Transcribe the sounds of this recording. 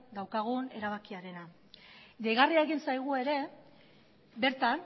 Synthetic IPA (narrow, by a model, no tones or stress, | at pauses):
d̪awkaɣ̞une̞̰ɾaβ̞akiaɾe̞na | ʝejɣariae̞ɣinsajɣ̞ue̞ɾe̞ | be̞ɾt̪an